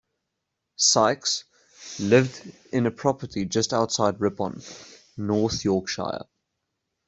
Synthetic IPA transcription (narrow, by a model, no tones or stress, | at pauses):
saɪks | lɪvd | ɪ̃nəpʰɹ̥ɒpətʰid͡ʒʌstaʊtsaɪdɹɪpə̰̃nː | ɔˑθjɔˑkʃa̰ɪə̰